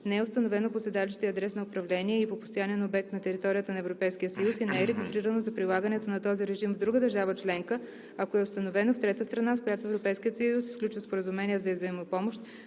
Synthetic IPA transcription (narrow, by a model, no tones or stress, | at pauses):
nɛɛʊst̪ənovɛnoposɛd̪aliʃt̪iəɐd̪ɾɛsnɐʊpɾɐvlɛniɛipopo̥st̪ojaniɛnobɛk̚t̪nɐt̪ɛɾit̪ɔɾijət̪ənɐɛvɾopɛjskijəsəjusinɛɛɾɛɡʲist̪ɾiɾənozɐpɾilˠaɡənɛt̪onɐt̪ɔziɾɛʒimvd̪ɾuɡəd̪əɾʒavət͡ʃlɛŋkə | ɐkoɛʊst̪ɐnovɛnoft̪ɾɛt̪əst̪ɾɐnaskojat̪oɛvɾopɛjskijət̪sjusi̥sklʲut͡ʃvəspoɾəzumɛnʲiəvzɐizɐimopɔmoʃt̪